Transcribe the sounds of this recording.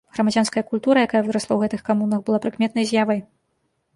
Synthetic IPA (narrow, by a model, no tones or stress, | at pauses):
ɣɾɐmad͡zʲanskɐjɐkulʲt̪uɾɐjakajɐvɨɾɐslˠɐwɣɛt̪ɨxkamunɐxbɨlˠapɾɨkmʲɛt̪nɐjzʲjavɐj